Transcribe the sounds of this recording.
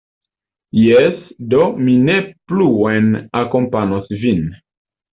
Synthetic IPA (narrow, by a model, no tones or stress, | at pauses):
jɛsdominepluenakompanosvin